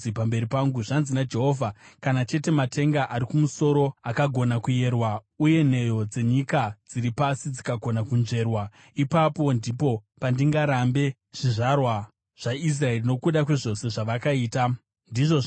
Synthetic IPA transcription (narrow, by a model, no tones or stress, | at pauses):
ipambe̞ɾipaŋɡuʐanzinad͡ʒe̞ɦo̞vʱakanat͡ʃe̞te̞matʰe̞ŋɡaʔaɾikumuso̞ɾo̞akaɡʱo̞nakuje̞rwauje̞n̤e̞jo̞d͡ze̞ɲikad͡ziɾipasid͡zikaɡʱo̞nakunʐe̞rwa | ipapo̞ndipo̞pandiŋɡaɾambe̞ | ʐ̥iʐarwa | ʐ̥ais̬rae̞rino̞kuɗakwe̞ʐo̞se̞ʐaʋakaiːta | ndiʐo